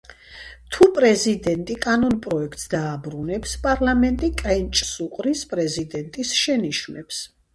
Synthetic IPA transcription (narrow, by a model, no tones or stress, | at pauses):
t̪ʰupʼɾɛzid̪ɛnt̪ʼikʼanɔnpʼɾɔɛkʰt̪ʼsd̪aːbɾunɛpspʼaɾlˠamɛnt̪ʼikʼɛnt͡ʃʼsuqʼɾispʼɾɛzid̪ɛnt̪ʼisʃɛniʃnɛps